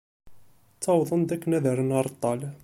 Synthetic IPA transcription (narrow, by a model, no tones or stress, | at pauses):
t͡sːɑwðˤənd̪ækːənæðəɾənɑɾˤt̪ˤːɑl